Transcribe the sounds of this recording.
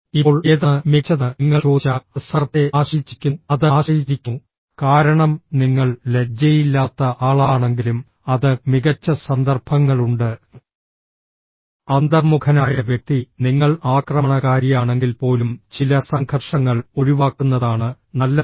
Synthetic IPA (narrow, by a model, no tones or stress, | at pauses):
ipːoːɭeːðɐɨmikɕɐðɨŋːɐʂt͡ɕoːt͡ɕːɐɐsɐrɐt̪ːe̞aːʂit͡ɕːi̥kʲːuɐðɨaːʂiːt͡ɕikʲːu | kaːɾɐɳɐmniŋːɐɭle̞d͡ʑɐjilːaːt̪ːɐʔaːɭaːɳe̞ŋɡilum | ɐðɨmiɣɐt͡ɕːɐsɐnd̪ɐrb̥ʰʱɐŋːɐɭuɳɖɨ | ɐnd̪ɐrmukʰɐnaːjɐʋjɐk̚t̪iniŋːɐɭaːkrɐmɐɳɐɣaːɾjijaːɳe̞ŋɡilpo̞ːlumt͡ɕilɐsɐŋɡʰʱɐrʂɐŋːɐɭo̞ɻiʋaːkːunːɐðaːɳɨ | nɐlːɐ